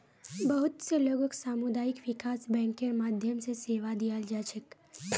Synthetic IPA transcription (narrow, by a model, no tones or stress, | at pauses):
bɐɦʊt̪seləɡbʱəksaːmʊd̪aːjɪkʋɪkaːsbɛ̃ːŋkeɾmaːd̪ʱjəmseseːʋad̪ijald͡ʒaːt͡ʃək